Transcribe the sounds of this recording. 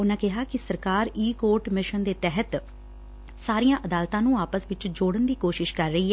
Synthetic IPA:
ʊnãːkɪɦaːkɪsəɾkaːɾiːkoːɾʈmɪʃənd̪eːt̪ɛɦət̪ | saːɾijãːʔəd̪aːlt̪ãːnũːaːpəsʋɪt͡ʃd͡ʒoːɽənd̪iːkoːʃɪʃkəɾːəiːɦɛː

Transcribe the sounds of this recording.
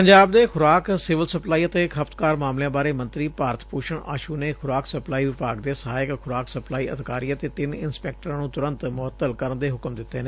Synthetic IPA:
pəɲd͡ʒaːb̚d̪eːkʰʊɾaːksɪʋəlsəplaːiːət̪eːkʰəfʰt̪kaːɾmaːmlejãːbaːɾeːmə̃nt̪ɾiːpaːɾət̪ʰpuːʃəɳa̰ːʃuːneːkʰʊɾaːksəplaːiːʋɪpaːɡd̪eːsəɦaːɪkxʰʊɾaːksəplaːiːʔə̰d̪kaːɾiːət̪eːt̪ɪnɪ̰nspɛːk̚ʈəɾãːnũːt̪ʊɾə̃nt̪mʊət̪ːəlkəɾənd̪eːɦʊkəmd̪ɪt̪ːeːnẽː

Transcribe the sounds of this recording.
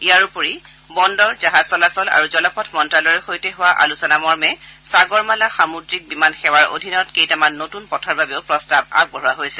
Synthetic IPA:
ijaɹupoɹi | bɔndɔɹzaɦaz̥sɔlasɔla̰ɹuzɔlɔpʰɔtʰmɔntɹalɔɹɛxojtɛɦʊwaʔa̰lusɔnamɔɹmɛsaɡɔɹmalaxamudɹik̚bimanxɛwaɹo̰dʱinɔtkejtamanːotunpɔtʰɔɹbabeʊpɹɔstab̚a̰b̚ɡɔɹɔwaɦojsɛ

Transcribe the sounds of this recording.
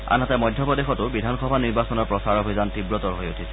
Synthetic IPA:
a̰natɛmɔjdʱjɔpɔdexɔtʊbidʱanxɔbʱaniɹbasɔnɔɹpɹɔsaɹobʱizantibɹɔtɔɹɦojotʰisɛ̥

